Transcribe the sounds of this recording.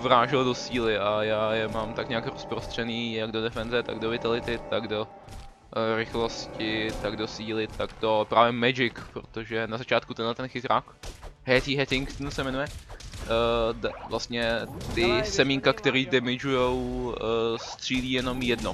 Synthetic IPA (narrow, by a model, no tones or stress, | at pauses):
vɾaːʒɪldo̞siːlɪʔajaːjɛmaːmt̪akɲɛakɾospɾost̪r̝̥ɛniːjaɡdo̞dɛfɛnzɛt̪a̰ɡdovɪt̪alɪt̪ɪt̪aɡdo̞ | ɾɪxlo̞scɪt̪aɡdosiːlɪt̪aɡdo̞pɾaːvjɛmɛd͡ʒɪkpɾo̰t̪oʒɛnazat͡ʃaːt̪̚kut̪ɛdlat̪ɛnxɪt̪ɾaːkɦɛt̪iɦɛt̪ɪŋkt̪nusɛmɛnujɛ | dvlast̪ɲɛt̪ɪsɛmiːŋkakt̪ɛɾiːdɛmɪd͡ʒujow | st̪r̥iːliːjɛno̞mjɛdno